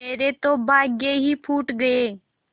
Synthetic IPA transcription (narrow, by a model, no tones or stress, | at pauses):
eːɾet̪oːbaːɡeːɦiːpʰuːʈɡəeː